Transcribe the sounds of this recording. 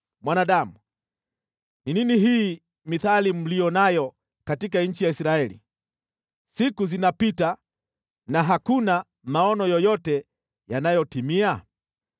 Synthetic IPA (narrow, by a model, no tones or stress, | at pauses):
mwanaɗamu | nininiɦiː | miθalim̩lijɔnajɔ | katik̬aɲ̩t͡ʃijaisɾaɛlḭ | sikuzinapita | naɦakuna | maɔnɔjɔjɔtɛ | janajɔtimia